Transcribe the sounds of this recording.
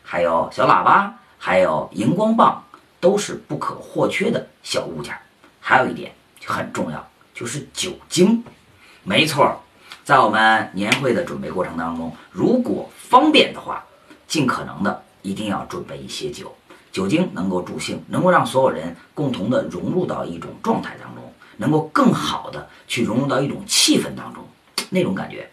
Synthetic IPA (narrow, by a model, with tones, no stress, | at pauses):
xa˧˥ɪjo˨˩ʊɕjɑ˧˥ʊla̰˨˩pa˥ | xa˧˥ɪjo˨˩ʊi˧˥ŋkwɑ˥ŋpɑ̰˥˩ŋ | t̪o˥ʊʂɻ̩˥˧pu˥˩kʰɤ̰˨˩xwɔ˥˩t͡ɕʰɥɛ˥d̪ə˨ | ɕjɑ˨˩ʊṵ˥˧t͡ɕja̰˥˩ | xa˧˥ɪjo˨˩ʊ˥i˥˩t̪jɛ̰˨˩˦n | t͡ɕo˥˩xə˨˩nʈ͡ʂʊ˥˧ŋjɑ̰˥˩ʊ | t͡ɕjo˥˧ʊʂɻ̩˥˩t͡ɕjo˨˩ʊt͡ɕi˥ŋ | me˧˥ɪt͡sʰwɔ˥˩ | t͡sa˥˩ɪwɔ˨˩mə˦nnjɛ˧˥nxwe˥˩ɪd̪ə˩ʈ͡ʂwə˨˩npe˥˧ɪkwɔ˥˩ʈ͡ʂʰɤ˧˥ŋt̪ɑ˥ŋʈ͡ʂʊ˥ŋɻu˧˥kwɔ̰˨˩fɑ˥ŋpjɛ˥˩nd̪ə˨xwa̰˥˩ | t͡ɕi˥˩nkʰɤ̰˨˩nɤ̰˧˥ŋd̪ə˧ | i˧˥t̪i˥˧ŋjɑ˥˧ʊʈ͡ʂwə˨˩npe˥˩ɪḭ˥˩ɕjɛ˥t͡ɕjo˨˩˦ʊt͡ɕjo˨˩ʊt͡ɕi˥ŋnɤ˧˥ŋko˥˧ʊʈ͡ʂu˥˩ɕi˥˩ŋnɤ˧˥ŋko˥˧ɑ˥˩ŋswɔ˧˥jo˨˩ʊɻə̰˧˥nkʊ˥˩ŋt̪ʰʊ˧˥ŋd̪ə˧˨ɻʊ˧˥ŋɻu˥˧t̪ɑ̰˥˧ʊi˥˩ʈ͡ʂʊ̰˨˩ŋʈ͡ʂwɑ˥˧ŋt̪ʰa˥˩ɪt̪ɑ̰˥ŋʈ͡ʂʊ̰˥ŋnɤ˧˥ŋko˥˧ʊkɤ˥˩ŋxɑ˨˩ʊd̪ə˦ | t͡ɕʰy˥˩ɻʊ˧˥ŋɻu˥˧t̪ɑ˥˧ʊi˥˩ʈ͡ʂʊ˨˩ŋt͡ɕʰi˥˧fə˥˩nt̪ɑ̰˥ŋʈ͡ʂʊ̰˥ŋ | ne˥˩ɪʈ͡ʂʊ˧˥ŋka̰˨˩nt͡ɕɥɛ̰˧˥